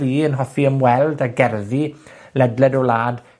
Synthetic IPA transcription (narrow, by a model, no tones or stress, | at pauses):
iːənɦɔfiəmwɛlˠdaɡɛrði | lɛdlɛdɔlaːd